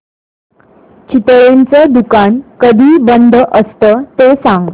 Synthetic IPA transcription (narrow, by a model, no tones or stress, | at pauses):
t͡ɕit̪ɭent͡səd̪ukankəd̪ʱiːbənd̪ʱəʔəst̪ət̪esãŋɡ